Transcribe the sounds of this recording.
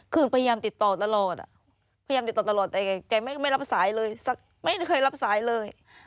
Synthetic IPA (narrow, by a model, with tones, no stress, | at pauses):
kʰɯː˧˩npʰa˧ja˧jaː˧mt̪i˨˩t̪ːɔː˨˩t̪a˧lɔː˨˩t̪̚ʔa̰˨˩ | pʰa˧a˧a˧mi˨˩t̪ːɔː˨˩t̪lɔː˨˩t̪̚t̪ːɛː˨˩kːkaː˧˩ma˥˩ma˥˩jla˦˥p̚saː˩˦jlɤː˧jsa˨˧˩k̚ | ma˥˩jjkʰɤː˧jla˦˥p̚saː˩˦jlɤː˧j